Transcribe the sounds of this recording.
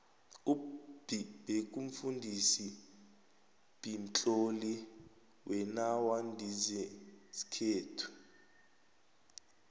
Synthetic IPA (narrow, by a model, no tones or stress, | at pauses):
ub̥ib̥ʱek̬ʼuɱ̩fundʱisi | b̥ʱint͡ɬʼoli | wʔɛnawandʱizɛsi̥kʰeːtʰu̥